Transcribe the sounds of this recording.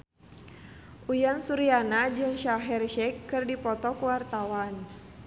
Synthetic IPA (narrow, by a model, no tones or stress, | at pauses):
ʔujansuɾianad͡ʒɨŋʃaɦɛrʃɛkːɨrdipɔt̪ɔkuwart̪awan